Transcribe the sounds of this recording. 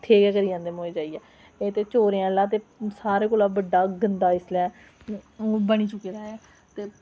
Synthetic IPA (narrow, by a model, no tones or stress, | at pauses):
t̪ʰeːɡɛːkəɾiːãːnd̪eːmoːeːd͡ʒaːiːɛː | eːt̪eːt͡ʃoːɾeãːlãːt̪̬eːsaːɾeːkoːlaːbəɖaːɡənd̪aːɪslɛː | bəɽ̃iːt͡ʃʊkːeːɾaːɛː | t̪eː